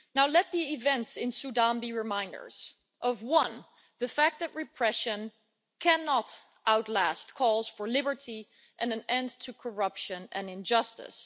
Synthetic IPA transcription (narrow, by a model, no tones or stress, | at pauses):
naʊlɛt̪̚ðiɪvɛ̃ntsɪ̃nsudɑ̃nbiɹɨmãɪ̃ndə̰˞z̥ | ʔʌvwʌ̃n | ðɨfæk̚t̪̚ðɨt̚ɹɨpʰɹ̥ɛʃɨ̃n | kʰænɑɾ | ʔaʊtˡlæst̚kʰɔlˠz̥fə˞lɪbə˞ti | ʔɨ̃nɨ̃nɛ̃ntʰɨkʰə˞ʌpʃɨ̃nɨ̃nɪ̃nd͡ʒʌstɪ̰s